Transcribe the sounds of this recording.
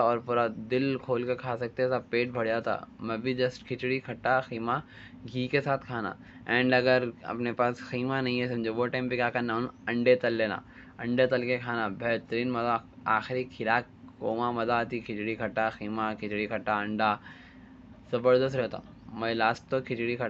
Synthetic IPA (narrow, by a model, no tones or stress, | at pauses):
ɔːɾpuːɾad̪ɪlkʰoːlkekʰaːsɐk̚t̪et̪ʰapeːʈ̚bʱɐɽ̤jat̪ʰa̰mɛ̃bʱid͡ʒɐsʈkʰɪt͡ʃɽikʰɐʈːaxiːma | ɡʱiːkesaːt̪ʰkʰaːna̰ | ɛ̃ːɳɖɐɡəɾɐ̰pnepaːsxiːmanɐ̃ɦĩɦɛsɐmd͡ʒoʋoːʈãːmpikaːkananɐ̃ɳɖet̪ɐlːeːna̰ | ɐ̃ɳɖet̪ɐlkekʰaːnabɛɦt̪əɾĩːnmɐzaaːxɪɾikʰɪlaːkːoːmamɐzat̪ikʰɪt͡ʃɽikʰɐʈːaxiːmakʰɪt͡ʃɽikʰɐʈːaɐ̃ɳɖa | zɐbəɾd̪əsʈɾɛɦt̪ʰa̰ | mɛ̃laːsʈt̪okʰɪt͡ʃɽikʰə